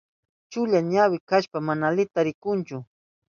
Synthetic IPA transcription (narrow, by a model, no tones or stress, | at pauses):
t͡ʃʊʎaɲawɪkaʃpamanalɪt̪aɾɪkʊnt͡ʃʊ